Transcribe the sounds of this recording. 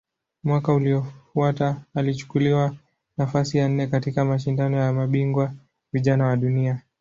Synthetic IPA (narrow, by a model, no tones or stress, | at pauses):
mwakauliɔfuataːlit͡ʃu̥kuliwa | nafasijan̩nːɛkatikamaʃ̬indanɔjamaɓiŋɡwa | viʄanawaɗunia